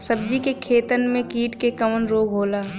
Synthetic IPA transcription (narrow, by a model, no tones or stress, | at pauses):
sɐb̚d͡ʒikekʰeːt̪ənmẽkiːʈkekɐmənɾoːɡʱɦoːlaː